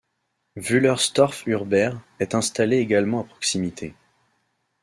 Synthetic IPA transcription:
vylœʁst̪ɔʁfyʁbɛʁ | ɛt̪ɛ̃st̪aleːɡalmɑ̃apχɔ̥ksimit̪ʰḛ

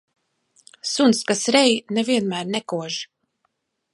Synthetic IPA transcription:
sunskasɾɛjnɛviɛnmæːɾnɛkuɔʒi

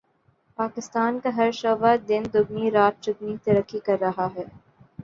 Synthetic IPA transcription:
paːkɪst̪aːnkaɦɐɾʃɐːʋaɾd̪ɪnd̪ʊɡniɾaːt̪̚t͡ʃʊɡnit̪ɐɾəkːikɐɾːɐɦaɦɛː

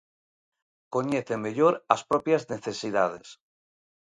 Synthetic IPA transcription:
koɲeθemeʎoɾa̰spɾopjazneθesiðaðḛs

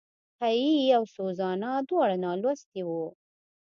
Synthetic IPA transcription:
hajijawsozɑnad̪wɑɽanɑlwast̪iwu

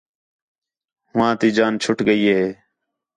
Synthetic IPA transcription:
ɦʋãːt̪iːd͡ʒaːnt͡ʃʰʊʈɡəiːɦeː

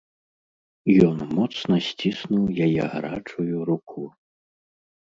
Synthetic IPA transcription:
jɔnmɔt̪snɐsʲt͡sʲisnuwjajɛ̰ɣɾat͡ʂujuɾukʰu

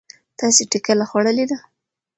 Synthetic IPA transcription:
t̪ɑseʈikalaxwaɽəled̪a

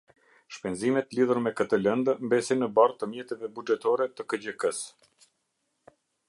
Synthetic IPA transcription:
ʃpɛnzimɛt̪liðuɾmɛkət̪əlɛnd̪mbɛsinəbart̪əmjɛt̪ɛvɛbud͡ʒɛt̪ɔɾɛt̪əkəd͡ʑəkəs

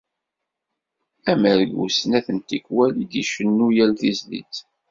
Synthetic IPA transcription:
æməɾɡṵsnæθənt̪ikwæld̪iʃənːujælθizlḭt͡s

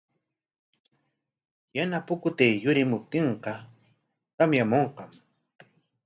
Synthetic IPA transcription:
janapʊkʊt̪ejjʊɾɪmʊp̚t̪ɪɴqɑ | k̪amjamoɴqɑm

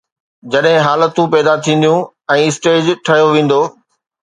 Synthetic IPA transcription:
d͡ʑɐɗɦɪ̃ɦaːlət̪ũpɛːd̪at̪ʰĩːn̆d̪jũ | ɛ̃ːɪsʈeːd͡ʑʈʰɐjoʋẽːn̆d̪oː

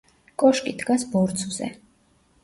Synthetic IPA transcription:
kʼɔʃkʼid̪ɡasbɔɾt̪sʰʼvz̥ɛ̰

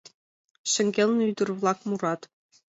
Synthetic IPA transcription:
ɕɘ̆ŋʲɡʲelʲnʲɤyd̪ɘ̆rvlˠɑkmurɑt̪

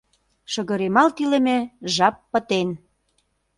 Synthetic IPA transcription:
ʃə̆ɣɤ̆ɾemɑlt̪ilĕmĕʒɑpːə̆t̪en

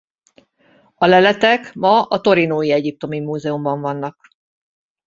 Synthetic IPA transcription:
ɒlɛlɛt̪ɛkmɒɒt̪o̞ɾinoːjiɛɟip̚t̪o̞mimuːzɛumbɒɱvɒnːɒk

